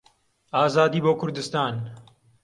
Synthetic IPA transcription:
aːzaːd̪iːboːkʰʊɾd̪ɨst̪aːn

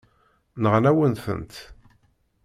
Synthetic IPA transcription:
nəʁlæwənθə̰nt̪

